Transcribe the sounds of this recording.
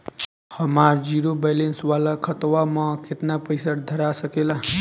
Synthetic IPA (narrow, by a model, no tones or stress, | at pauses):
həmaɾd͡ʒiɾobejlenswalakʰʌt̪wamʌket̪napəjsaɾd̪ʱəɾasəkela